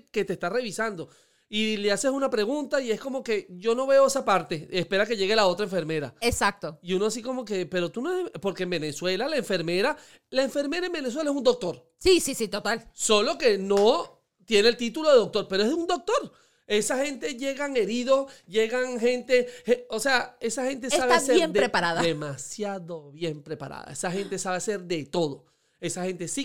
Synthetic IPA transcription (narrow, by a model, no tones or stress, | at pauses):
ke̞t̪est̪are̞βisand̪o̞ | ilease̞sunapɾe̞ɣunt̪aie̞sko̞mo̞ke̞ʝo̞no̞βe̞oesapaɾt̪e̞espe̞ɾake̞ʝe̞ɣe̞lao̞t̪ɾaeɱfe̞ɾme̞ɾa̰esak̚t̪oiunoas̬iko̞mo̞ke̞pe̞ɾo̞t̪unoespo̞ɾkeːmbe̞neswe̞lalaeɱfe̞ɾme̞ɾa | laeɱfe̞ɾme̞ɾaembenes̬we̞laesund̪o̞k̚t̪o̞ɾ | sisisit̪ot̪also̞lo̞ke̞no | t̪je̞nelt̪it̪ulo̞ðeðok̚t̪o̞ɾpeɾoe̞zðund̪o̞k̚t̪o̞ɾ | e̞saxe̞nt̪e̞ʝe̞ɣaŋe̞ɾiðo̞sʝeɣaŋɦe̞nt̪e̞heose̞ae̞saxent̪̬eaβaseɾemd̪ɾepaɾaðademasjaðo̞βje̞mpɾe̞pa̰ɾa̰ða̰esaxe̞nt̪e̞saβese̞ɾðe̞t̪o̞ðo̞ | e̞saxe̞nt̪e̞si